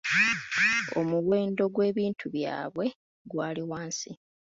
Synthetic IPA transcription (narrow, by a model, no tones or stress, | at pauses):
omuwe̞ːndo̞ɡwe̞ːβiːntʰuβja̰ːβwe̞ | ɡwaːliwaːnsi